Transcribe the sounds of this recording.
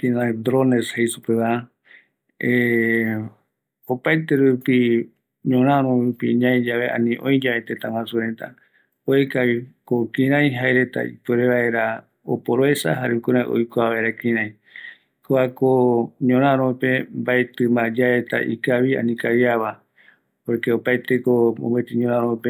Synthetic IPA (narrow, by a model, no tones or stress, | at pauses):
kĩɾãd̪ɾoneshejsupeβaa | e | opajt̪e̞ɾupi | ɲõɾ̃ãɾõɾupiɲãjd͡ʒaʋe̞ʔã̰nĩʔõjd͡ʒaet̪ẽt̪ãwãsuɾet̪a̰ | oekaβikokĩɾ̃ãj̃ɦaeɾe̞t̪a̰ḭpeɾeβae̞ɾa | o̰poɾoesa̰ɦaɾeukuɾãj̰ʔo̰jkʷaβaeɾakĩɾ̃ãj̃ | koakoɲõɾ̃ãɾ̃õpe̞mbaet̪ɨmad͡ʒaet̪a̰ʔḭkaβia̰nĩkaβjaβa | poɾkeopajt̪e̞koõ̰mbet̪iɲõɾãɾõpe